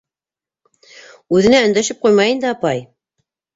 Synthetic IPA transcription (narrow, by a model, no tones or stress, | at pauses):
ʉðɘ̆næɵ̆nd̪æʃɘp̚qujmɑjɤnd̪ɘɑpɑj